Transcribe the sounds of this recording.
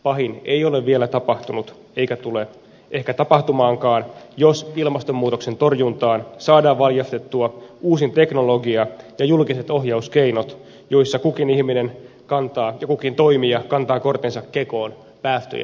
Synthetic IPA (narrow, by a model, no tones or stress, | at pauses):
pɑɦinejo̞leʋʋielæt̪ɑpɑht̪unut̪ | e̞ikæt̪ule | ʔehkæt̪ɑpɑht̪umɑːŋkɑːnjosilmɑst̪omːuːt̪okse̞nt̪o̞rjunt̪ɑːnsɑːdɑːʋʋɑljɑst̪et̪ːuɑuːsint̪e̞kno̞loɡiɑjɑjulkiset̪o̞ɦjɑuskeino̞t̪ | jo̞isːɑkukinihminen | kɑnt̪ɑːjɑkukint̪o̞imiɑkɑnt̪ɑːko̞rt̪insɑkkːeko̞ːn | pæːst̪ø̰jæ̰